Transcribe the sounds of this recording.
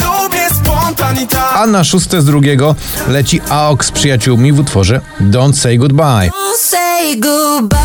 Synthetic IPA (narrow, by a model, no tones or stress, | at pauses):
ɔbʲɛspɔnt̪aanaʂust̪ɛzd̪ɾuɡʲjɛɡɔ | lɛt͡ɕiʔaɔkspʂɨjat͡ɕuwmʲivut̪fɔʐɛ | d̪ɔnsɛjɡud̪̚bajsɛjɡub